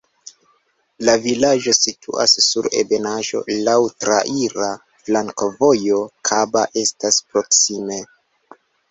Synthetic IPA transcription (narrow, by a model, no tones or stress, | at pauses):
lavilaʒo̞sitʰṵʔa̰sːuɾe̞̰be̞naʒo̞̰lawtɾaʔiɾa | flaŋkovo̞jo̞kʰabaʔe̞staspɾo̞ksime̞